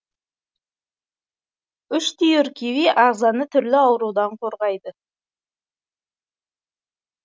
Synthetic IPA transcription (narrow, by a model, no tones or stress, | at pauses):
ʏʃt̪ʰijʏɾkʲʰewijʔɑʁzɑnət̪ʰʏɾlɪɑwɾud̪ɑɴqʰo̞ɾʁɑjd̪ə